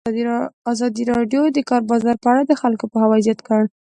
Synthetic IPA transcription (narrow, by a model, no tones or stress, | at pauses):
ɑzɑd̪iɾɑɖjod̪əkɑɾbɑzɑɾpəaɽad̪əxalkopəhawɑzjat̪kəɽ